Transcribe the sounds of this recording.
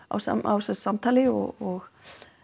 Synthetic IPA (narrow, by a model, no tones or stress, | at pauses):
a̰wsa̰ma̰wsɛsamt̪ʰaːlɪɔ̰ɣɔɣ